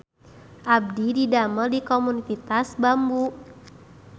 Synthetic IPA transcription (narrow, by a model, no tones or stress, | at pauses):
ʔab̚dididamərdikomunit̪it̪asbambu